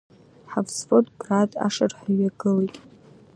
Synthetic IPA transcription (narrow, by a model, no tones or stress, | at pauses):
ħavsfodɡratʼa̰ʂarħaɥaɡɨlejtʼ